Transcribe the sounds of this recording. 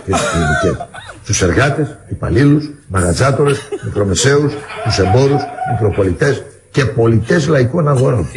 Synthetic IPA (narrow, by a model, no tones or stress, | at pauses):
tesi̥iinice̞sst̪use̞ɾɣɐt̪e̞sipɐ̰lilusmɐɣɐzɐt̪o̞ɾe̞smikɾo̞me̞se̞ust̪use̞mbo̞ɾusmik̪ɾo̞po̞lit̪e̞s | ce̞po̞lit̪e̞zlɐikonɐɣo̞ɾon